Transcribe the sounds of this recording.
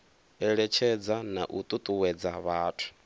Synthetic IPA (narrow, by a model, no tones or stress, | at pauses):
ɛɺɛt͡ʃʰɛd͡zana̰ʔut̪ʼut̪ʼuwɛd͡zaβaːtʰu̥